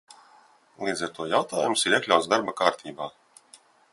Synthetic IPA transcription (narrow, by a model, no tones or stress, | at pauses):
lˠiːd̪zaɾt̪uɔjawt̪aːjumsiɾiɛklʲawt̪sd̪aɾbakaːɾt̪ʰiːbaː